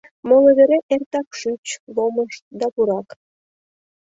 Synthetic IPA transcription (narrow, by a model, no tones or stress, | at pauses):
moleβeɾeʔert̪ɑkʃyt͡ɕβoməʃd̪ɑpuɾɑk